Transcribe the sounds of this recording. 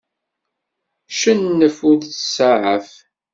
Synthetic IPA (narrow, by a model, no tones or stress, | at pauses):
ʃənːəfuðθə̥səʕəf